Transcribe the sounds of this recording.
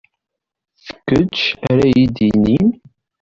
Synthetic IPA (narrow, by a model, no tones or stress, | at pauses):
θə̥kːət͡ʃæɾæjid̪inin